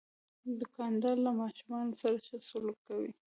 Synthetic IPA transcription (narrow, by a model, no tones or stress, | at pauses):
d̪ʊkɑnd̪ɑɾlamɑʃumɑnosaɾat͡ʃasʊlukːawḭ